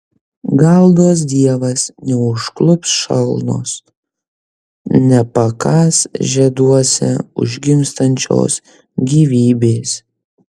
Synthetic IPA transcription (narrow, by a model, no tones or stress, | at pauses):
ɡɐlˠd̪oːs̬d̪ʲiɛʋɐsnʲɛʊʃklˠʊpsʃɐ̰lˠno̰ːs | nʲɛpɐkɑːsʒʲɛd̪uɔsʲɪ̰ʊ̰ʒʲɡʲɪmst̪ɐnʲt͡ʃʲo̰ːs | ɡʲiːʋʲiːbʲeːs